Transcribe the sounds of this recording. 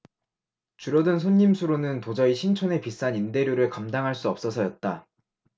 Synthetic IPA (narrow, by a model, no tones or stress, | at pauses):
t͡ɕuɾʌdɯnsʰoɲːimsʰuɾonɯntod͡ʑʌiɕʰint͡ɕʰone̞pis͈aninde̞ɾjoɾɯɭkamdaŋɦaɭs͈uʌp̚s͈ʌsʰʌjʌt̚t͈a